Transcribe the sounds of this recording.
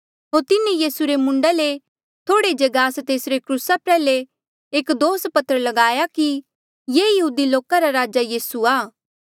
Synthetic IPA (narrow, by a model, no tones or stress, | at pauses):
ɦoːɾt̪ɪnejiːsuɾemʊ̃ɳɖale | t̪ʰoːɽed͡ʒɐɡaːst̪eːsɾekɾuːsapɾɛːle | eːkd̪oːspɐt̪əɾəlɐɡaːjaki | jeːjɐɦuːd̪iloːkaɾaɾaːd͡ʒajiːsuaː